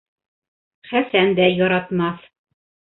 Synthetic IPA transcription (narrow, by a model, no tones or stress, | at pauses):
χæsænd̪æjɒɾɑt̪mɑθ